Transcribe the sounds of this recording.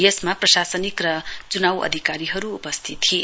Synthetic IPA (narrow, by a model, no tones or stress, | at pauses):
jesmaprʌsasʌnikrʌt͡sunawʌ̰d̪ʱikaɾiɦʌɾuːpʌst̪ʰit̪ːʰie